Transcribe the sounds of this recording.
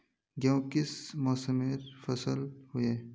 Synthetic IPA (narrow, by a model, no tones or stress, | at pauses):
ɡõːkɪsmɔːsəmeɾfɐsəlhʊjeː